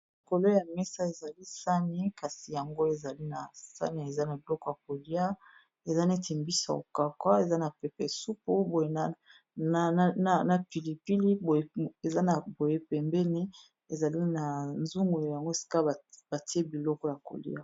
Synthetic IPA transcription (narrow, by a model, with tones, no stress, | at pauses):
li˨ko˨lo˦ja˨mɛ˦sa˦e˨za˨li˦sa˦ne˦ka˨si˨ja˨ŋɡo˦e˨za˨li˦na˨sa̰˦ne˨e˨za˦na˨bi˨lɔ˦kɔ˦ja˨ko˨li˦a˦ | e˨za˦ne˦ti˨mbi˦sa̰˨o̰˨ka˨kwa˦e˨za˦na˨pɛ˨pɛ˨su˦po˦bo˨je˦na˦˨ | na˨na˨pi˨li˨pi˦li˦o˨e˦e˨za˦na˨bo˨je˦pɛ˨mbɛ˦ni˦ | e˨za˨li˦na˨nzu˦ŋɡo˨lo˨ja˨ŋɡo˦e˨si̥˦ka˦˨b̥a˨ti˦e˦bi˨lɔ˦kɔ˦ja˨ko̰˨lḭ˦a˦